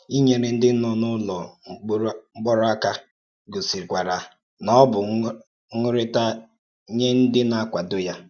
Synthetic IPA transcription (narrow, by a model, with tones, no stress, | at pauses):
i˦ɲe˦˨ɾɪ˨n̩˦dɪ˦nʊ˦nʊ˦lɔ˨˦ | ŋ͡m̩˦ɡ͡bɔ˦ɾʊ˦a˦ka˦ | ɡo˨si˨ɾkʷa˨ɾa˨ | nɔ˦bʊ˨ | ŋʊ˦ɾɪ˦ta˦ | ɲe˦n̩˦dɪ˦na˦kʷa˨dʊ˦ja˦